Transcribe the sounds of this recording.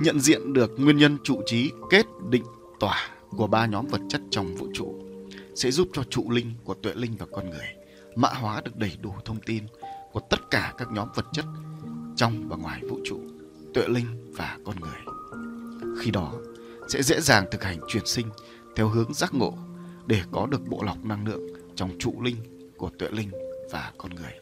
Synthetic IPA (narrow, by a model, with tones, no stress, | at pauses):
ɲə̰˧˨nzḭ˧˨ənɗɨ˨˩ək̚ŋwi˧ənɲə˧nt͡ɕṵ˧˨t͡ɕi˨˦ke˦˥t̚ɗḭ˧˨ŋ̟ | t̪waː˧˩ku˧˩əɓaː˧ɲɔ˨˦mvə˨˩t̚t͡ɕə˦˥t̚t͡ɕɔ˧wŋ͡mvṵ˧˨t͡ɕṵ˧˨sɛ̰˧˥zu˦˥p̚t͡ɕɔ˧t͡ɕṵ˧˨lï˧ŋ̟ku˧˩ət̪wḛ˧˨lï˧ŋ̟vaː˨˩kɔ˧nŋɨ˨˩əj | ma̰ː˧˥ɦwaː˨˦ɗɨ˨˩ək̚ɗə˧˩jɗu˧˩t̪ʰə˧wŋ͡mt̪i˧nku˧˩ət̪ə˦˥t̚kaː˧˩kaː˦˥k̚ɲɔ˨˦mvə˨˩t̚t͡ɕə˦˥t̚t͡ɕɔ˧wŋ͡mɓaː˨˩ŋwaː˨˩jvṵ˧˨t͡ɕṵ˧˨ | t̪wḛ˧˨lï˧ŋ̟vaː˨˩kɔ˧nŋɨ˨˩əj | xi˧ɗɔ˨˦ | sɛ̰˧˥zḛ˧˥zaː˨˩ŋt̪ʰɨ˨˩k̚ha˨˩jŋ̟t͡ɕwi˨˩ənsï˧ŋ̟ | t̪ʰɛ˧wɦɨ˨˦əŋzaː˦˥k̚ŋo̰˧˨ɗe˧˩kɔ˨˦ɗɨ˨˩ək̚ɓo̰˧˨la˨˩wk͡p̚na˧ŋlɨ̰˧˨əŋ | t͡ɕɔ˧wŋ͡mt͡ɕṵ˧˨lï˧ŋ̟ | ku˧˩ət̪wḛ˧˨lï˧ŋ̟vaː˨˩kɔ˧nŋɨ˨˩əj